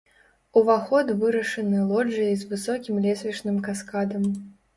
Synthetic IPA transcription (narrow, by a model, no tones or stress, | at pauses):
uvaxɔd̪vɨɾɐʂɨnɨlˠɔd͡ʐɨjɐzvɨsɔkʲimlʲɛsʲvʲit͡ʂnɨmkaskad̪ɐm